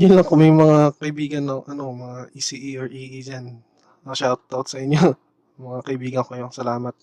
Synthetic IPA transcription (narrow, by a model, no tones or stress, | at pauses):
jʊnlɐŋkʊmɐjmɐŋakɐʔɪbiːɡɐnːoŋʔɐno̞mɐŋaʔisiʔioɹʔiːʔid͡ʒan | ʃawt̪̚awt̪sɐʔɪɲjo | mɐŋakɐʔɪbiːɡɐnkojʊŋsɐlaːmɐt̪̚